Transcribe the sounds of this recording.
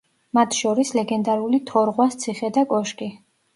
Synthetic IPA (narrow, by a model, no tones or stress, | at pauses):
mat̪ʰʃɔɾislɛɡɛnd̪aɾulit̪ʰɔɾʁwast̪sʰiχɛd̪akʼɔʃkʼi